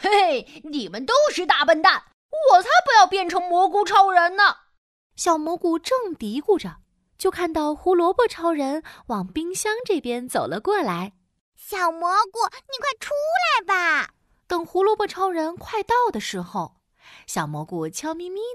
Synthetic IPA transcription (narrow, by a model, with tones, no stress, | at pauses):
e˥˩ɪni˨˩mə˦nt̪o˥ʊʂɻ̩˥˧t̪a˥˩pə˥˧nt̪a˥˩n | wɔ˨˩t̪ʰa˥pu˧˥jɑ˥˧ʊpjɛ˥˩nʈ͡ʂʰɤ˧˥ŋmwɔ˧˥ku˧˥ʈ͡ʂʰɑ˧˥ʊɻə˧˥nnə˨ | ɕjɑ˨˩ʊmwɔ˧˥ku˨˩ʈ͡ʂɤ˥˩ŋt̪i˧˥ku˥˩ʈ͡ʂə˩ | t͡ɕjo˥˧ʊkʰa˥˧nt̪ɑ˥˩ʊxu˧˥lwɔ˧˥pɔ˥˩ʈ͡ʂʰɑ˧˥ʊɻə˧˥nwɑ˨˩ŋpi˥ŋɕjɑ˥ŋʈ͡ʂɤ˥˩pjɛ˥nt͡so˨˩ʊlə˦kwɔ˥˩la˧˥ɪ | ɕjɑ˨˩ʊmwɔ˧˥ku˨˩ni˨˩kʰwa˥˩ɪʈ͡ʂʰu˥la˧˥ɪba˧ | t̪ɤ˨˩ŋxu˧˥lwɔ˧˥pɔ˥˩ʈ͡ʂʰɑ˧˥ʊɻə˧˥nkʰwa˥˧ɪt̪ɑ˥˩ʊd̪ə˩ʂɻ̩˧˥xo˧ʊ | ɕjɑ˨˩ʊmwɔ˧˥ku˨˩t͡ɕʰjɑ˥ʊmi˧˥mi˥